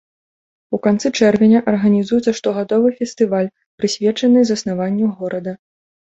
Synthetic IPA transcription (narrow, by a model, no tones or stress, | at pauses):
ukant̪sɨt͡ʂɛrvʲenʲɐʔɐrɣɐnʲizujɛt̪sɐʂt̪ɔɣad̪ɔvɨfʲɛst̪ɨvalʲ | pɾɨsʲvʲɛt͡ʂɐnɨzɐsnavanʲːuɣɔɾɐd̪ɐ